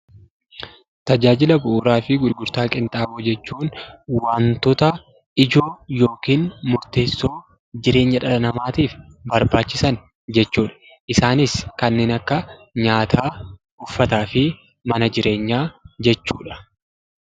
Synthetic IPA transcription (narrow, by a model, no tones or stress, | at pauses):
t̪ɐd͡ʒaːd͡ʒɪlɐbʊʔuːɾaːfɪɡʊlɡʊɾt̪aːkʼɪnt̪ʼaːbod͡ʒɛt͡ʃːuːnwaːnt̪ɔt̪ɐ | ɪd͡ʒo̞ːjo̞ːkiːnmʊɾt̪e̞ːsːo̞ː | d͡ʒɪɾe̞ːɲːɐᶑɐlɐnɐmaːt̪iːfbɐɾbaːt͡ʃːɪsɐn | d͡ʒɛt͡ʃːuːᶑɐ̥ | ʔɪsaːnɪskɐnːe̞ːnɐkːɐɲaːt̪ʰaː | ʊfːɐt̪aːfɪ | mɐnɐd͡ʒɪɾe̞ːɲːaːd͡ʒɛt͡ʃːuːᶑɐ̥